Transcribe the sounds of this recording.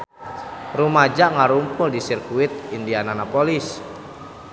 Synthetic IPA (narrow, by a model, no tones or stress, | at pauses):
rumad͡ʒaʔŋaɾumpʊldisirkuɪt̪̚indiananapolis